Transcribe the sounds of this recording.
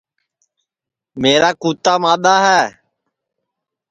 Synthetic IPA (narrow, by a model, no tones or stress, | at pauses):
meːɾaːkuːt̪aːmãːɗ̪aːɦɛː